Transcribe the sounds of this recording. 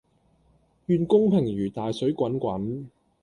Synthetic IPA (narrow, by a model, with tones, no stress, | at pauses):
jyː˨˧nkʊ˥ŋpʰɪ˨˩ŋɥyː˨˩t̪aː˨jsɵ˨˥ɥkʷɐ˨˥nkʷɐ˨˥n